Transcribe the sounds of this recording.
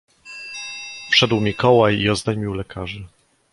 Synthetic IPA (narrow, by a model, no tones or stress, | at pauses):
fʂɛd̪wmʲikɔwajiɔzd̪ajmʲiwlɛkʰaʐɘ